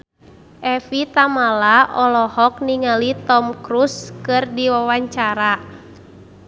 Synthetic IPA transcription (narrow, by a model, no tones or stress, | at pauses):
ʔɛfit̪amalaʔɔlɔhɔk̚niŋalit̪ɔmkɾuskɨrdiwawaɲt͡ʃaɾa